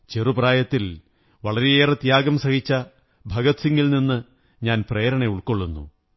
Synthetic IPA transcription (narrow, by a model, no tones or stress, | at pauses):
t͡ɕerupraːjɐt̪ːil | ʋɐɭɐɾeeːrɐt̪jaːɡɐmsɐhit͡ɕːɐ | bʱɐɡɐt̪siŋɡilninːɨ | ɲaːnpreːɾɐɳe̞uɭkoɭːunːṵ